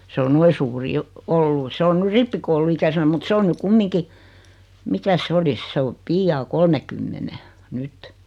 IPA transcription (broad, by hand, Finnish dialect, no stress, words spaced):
s o noi suːri jo olːu se on ny ripːikoulˑuikæsenæ mut se on ny kumːiŋki mikæs se olis se o piːjɑː kolmekymːene nyt